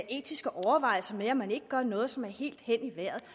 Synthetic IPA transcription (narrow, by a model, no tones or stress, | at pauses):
ʔe̝̰ːd̥isɡ̥ɒʔɒʊɐʋɑ̈ɪlsɐmeɒmːæne̝ɡ̥əɡ̥ɶɐnɔ̽ːð̞̩ˠsɒ̽mæɐhe̝̰ːld̥hen̰iʋæɐ̰ð̩ˠ